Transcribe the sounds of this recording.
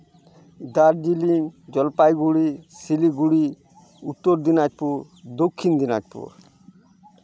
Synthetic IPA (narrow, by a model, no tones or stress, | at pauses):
d̪aɾd͡ʒilind͡ʒɔlpajɡuɽisiliɡuɽi | ut̪ːɔɾd̪inad͡ʒpuɾ | d̪okʰːind̪ina̰d͡ʒpṵɾ